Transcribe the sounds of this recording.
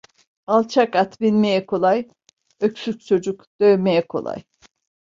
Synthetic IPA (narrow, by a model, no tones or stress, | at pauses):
alˠt͡ʃʰakat̪binmejɛkʰolˠaj | øksykʲt͡ʃʰod͡ʒukd̪̥ø̞jmejɛkʰo̞̰lˠa̰j